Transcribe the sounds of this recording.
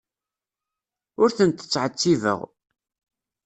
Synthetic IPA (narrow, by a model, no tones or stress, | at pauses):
ʊɾθənt̪ə̥t͡sːʕət͡sːivə̰ʁ